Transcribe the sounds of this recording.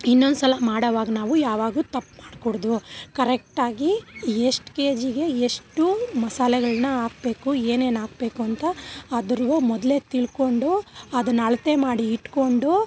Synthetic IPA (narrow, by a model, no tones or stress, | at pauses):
inːond̪usɐlɐmaːɽɐʋaːɡɐnaːʋujaːʋaːɡut̪ɐpːmaːɽkoɽd̪ukɐɾek̚ʈaːɡieʂʈke̞ːd͡ʒiɡe̞eʂʈumɐsaːlɐɡɐɭɐnɐaːk̚be̞ːkue̞ːne̞ːnaːɡ̚be̞ːkuɐnt̪ɐːd̪ɐɾʋumɔd̪le̞t̪iɭko̞ɳɖuɐd̪ɐnːɐɭɐt̪e̞maːɽiːʈko̞ɳɖu